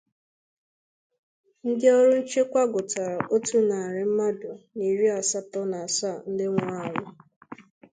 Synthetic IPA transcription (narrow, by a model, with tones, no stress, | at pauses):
ŋ̩˦de˦o˦ɾʊ˦n̩˦t͡ʃe˦kʷa˦ɡʊ˨ta˨ɾa˨ʔo˦tu˦na˨a˨ɾɪ˨m̩˦ma˦dʊ˨ni˨ɾi˦a˨sa˦tɔ˦na˨a˨sa˦˨n̩˦dɪ˦ŋʷʊ˦a˦˨ŋʷʊ˨